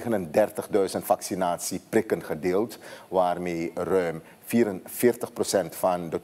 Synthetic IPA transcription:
ɣənəndɛrtəχdœɥzəntfɑksinaːtsiprɪkənχədeːlˠtʋaːrmeːrœɥm | fiːɾənfɪːrtəχprosɛntfɑndə

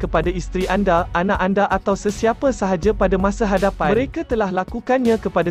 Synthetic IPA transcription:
kəpadaist̪ɾiʔandaʔanãʔandaʔat̪awsəsiapasaɦad͡ʒapadamãsaɦadapaməɾekat̪əlahlakukanɲãkəpada

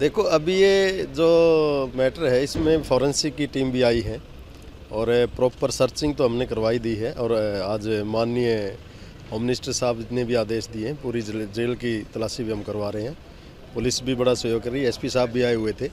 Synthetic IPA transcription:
d̪eːkʰoɐbjed͡ʒoːmɛːʈəɾɦɛɪsmẽpʰɔːɾə̃nsikiʈiːmbʱiaːiɦɛ̃ | ɔːɾpɾɔːpəɾsəɾt͡ʃɪ̃ŋɡ̚t̪oɦɐmnekɐɾʋaːid̪iːɦɛʔɔːɾaːd͡ʒmaːnːijə | ɦɔːmɪnɪsʈəɾsaːbnebʱiaːd̪eːʃd̪ieɦɛ̃puːɾid͡ʒeːlkit̪ɐlaːʃibʱiɦɐmkɐɾʋaːɾəɦeɦɛ̃ː | pʊlɪsbʱibɐɽaswəjoːɡ̚kəɾiɛspisaːbbʱiaːeɦʊet̪ʰeː

